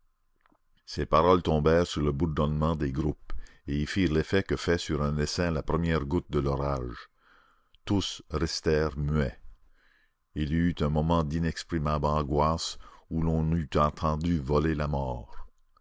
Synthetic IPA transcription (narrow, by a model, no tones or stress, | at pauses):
sepaʁɔlt̪ɔ̃bɛːʁsyʁləbuʁd̪ɔnmɑ̃d̪eɡɾup | eilfiːʁlefɛkəfɛsyʁɛ̃d̪esɛ̃lapʁəmjɛʁɡut̪̚d̪əlɔʁaːʒ | t̪usʁɛst̪ɛːʁmyɛ | ilyt̪ɛ̃mɔmɑ̃d̪inɛkspʁimablɑ̃ɡwasulɔ̃nyt̪ɑ̃t̪ʰɑ̃d̪yvɔlelamɔːʁ